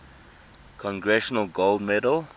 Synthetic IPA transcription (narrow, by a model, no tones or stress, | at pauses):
kʰɔ̃ŋɡɹɛʃənəlˠɡoldmɛdəl